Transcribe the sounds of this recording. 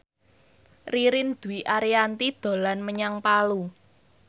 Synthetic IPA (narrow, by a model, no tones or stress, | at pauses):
riɾɪnd̪̥ṳwiʔaɾiant̪id̪̥o̤lanməɲaŋpalu